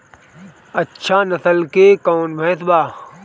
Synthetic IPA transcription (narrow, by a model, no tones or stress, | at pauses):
ɐtːʃʰanɐsəlkeːkoːnʋẽːt̪ʰbaː